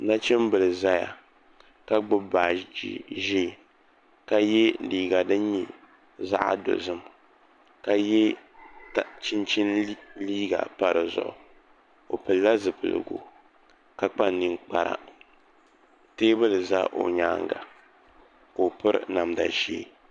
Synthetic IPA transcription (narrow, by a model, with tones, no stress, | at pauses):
na˦t͡ʃɛ˦mbɨ˨lɨ˨za˦ja̰˨ | ka˦ɡ͡bʊ˦ba˨˦ʒi˦˨ | ka˦jɛ˦liː˨ɡa˨dɨ˦ɲi˨ | za̰˦ʔa̰˦do̰˨zɨ˦m | ka˦jɛ˦tt͡ʃɪ˦nt͡ʃi˦n˦liː˦ɡa̰˨pa˨ɾɨ˨zʊ̰˨ʔʊ̰˨ | o˨pɨ˨lːa˦zɨ˨pɨ˨lɨ̰˨ɡo̰˨ | ka˦k͡pa˦nːɨ˦ŋk͡pa˦ɾa̰˨ | teː˦bɨ˦lɨ˨za̰˦ʔo̰˨ɲaː˦ŋɡa̰˨ | ko˨pɨ˦ɾ̰na˨mda̰˨ʃḛː˦